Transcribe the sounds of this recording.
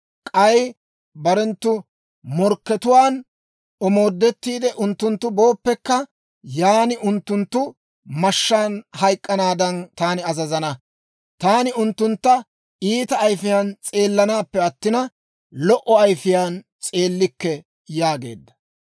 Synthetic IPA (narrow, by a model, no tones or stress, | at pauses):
kʼɐj | bɐɾɛnt̪ːʊ | mɔɾkːɛt̪ʊwaːn | ɔmo̞ːd̪ːɛt̪ːiːd̪ɛʔʊnt̪ːʊnt̪ːʊbo̞ːpːɛkːɐ | jaːnɪʔʊnt̪ːʊnt̪ːʊ | mɐʃːaːnhɐjkʼːɐnaːd̪ɐnt̪aːnɪɐzɐzɐnɐ | t̪aːnɪʊnt̪ːʊnt̪ːɐ | iːt̪ɐːjfɪjaːnt͡sʼe̞ːlːɐnaːpːɛɐt̪ːɪnɐ | lɔʔɔɐjfɪjaːn | t͡sʼe̞ːlːɪkːɛ | jaːɡe̞̰ːd̪ːɐ̥